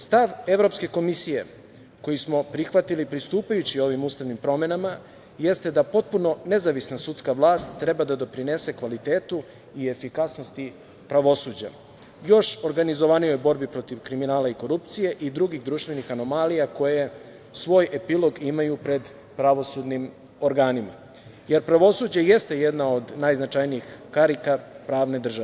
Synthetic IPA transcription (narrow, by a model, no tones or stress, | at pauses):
st̪aʋe̞ʋɾo̞pske̞komisije̞ | ko̞jismo̞pɾixʋat̪ilipɾist̪uːpajut͡ɕio̞ʋimuːst̪aʋnimpɾo̞me̞nama | je̞st̪e̞d̪apo̞t̪̚puno̞ne̞zaʋisnasut̪skaʋlaːst̪t̪ːɾe̞bad̪ad̪o̞pɾine̞se̞kʋalit̪e̞ːt̪u | ie̞fikasno̞st̪i | pɾaʋo̞suːd͡ʑa̰ | jo̞ʃo̞ɾɡanizo̞ʋanijo̞jbo̞ɾbipɾo̞t̪iʋkɾiminaːlaiko̞ɾupt̪sije̞ʔid̪ɾuɡiɣd̪ɾuːʃt̪ʋe̞nixano̞malijako̞je̞ | sʋo̞ːje̞pilˠo̞ɡimajupɾe̞d̪ | pɾaʋo̞sud̪nim | o̞ɾɡaːnima̰ | je̞ɾpɾaʋo̞suːd͡ʑejest̪e̞jed̪nao̞d̪najznat͡ʃajnijixkaɾikapɾaːʋne̞d̪r̩ʒaʋe